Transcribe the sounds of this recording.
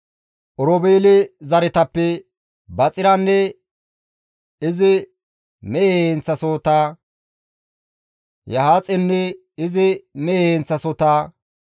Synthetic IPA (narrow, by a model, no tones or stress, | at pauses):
ʔɔɾɔbeːlɪzɐɾɪt̪ɐpːɛ | bɐt͡sʼɪɾɐnːɛ | ɪzɪ | mɛent͡sːɐsoːt̪aː | jɐhaːt͡sʼɛnːɛ | ɪzɪmɛent͡sːɐsot̪aː